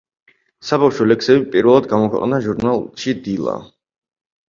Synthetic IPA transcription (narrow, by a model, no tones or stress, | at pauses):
sabafʃɔlɛksɛbipʼiɾvɛlˠad̪̚ɡamɔkʰwɛ̰qʼnaʒuɾnalˠʃid̪ilˠa̰